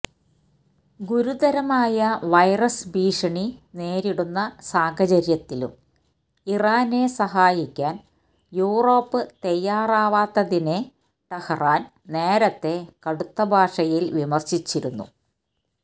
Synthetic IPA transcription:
ɡuɾud̪ɐɾɐmaːjɐʋɐjrɐsbiːʂɐɳine̞ːɾiɽunːɐsaːɦɐt͡ɕɐɾjɐt̪ːilṵm | iraːne̞sɐɦaːjikʲːaːn | juːro̞ːpːɨt̪ejːaːraːʋaːt̪ːɐðine̞ | ʈ̪ɐhɐraːn | ne̞ːɾɐt̪ːe̞kɐɽut̪ːɐbʱaːʂɐjilʋimɐrɕit͡ɕːiɾunːṵ

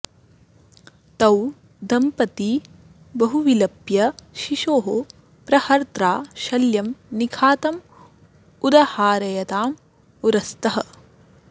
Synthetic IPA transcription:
t̪ɐw | d̪ʱɐmpɐt̪i | bɐɦuʋilɐpjɐʃiʃoːɦo | pɾɐhɐɾt̪ɾaːʃɐljɐmnikʰaːt̪ɐm | ud̪ɐhaːɾɐjɐt̪aːm | uɾɐst̪ɐɦɐ̆

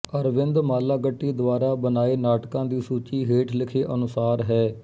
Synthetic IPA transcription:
əɾʋɪnd̪maːlaːɡəʈːiːd̪ʊaːɾaːbənaːeːnaːʈkãːd̪iːsuːt͡ʃiːɦeːʈʰlɪkʰeːʔənʊsaːɾɦɛː

